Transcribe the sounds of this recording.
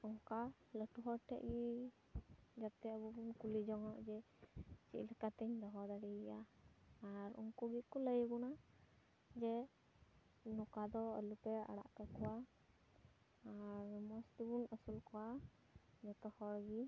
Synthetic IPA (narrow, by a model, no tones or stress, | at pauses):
ɔŋkaləʈuɦɔɾʈʰɛ̰ʔɡi | d͡ʒab̚t̪ɛəbubunkulid͡ʒɔŋɔʔd͡ʒɛ | t͡ʃḭʔləkat̪ɛɲd̪ɔɦɔd̪aɽiɡjaaɾṵŋkuɡikɔləjbɔna | d͡ʒɛ | nɔkad̪ɔə̰lupɛa̰ɽa̰ʔkakɔwa | ɾmɔst̪ibunəsulkɔwa | d͡ʒɔt̪ɔhɔɾɡi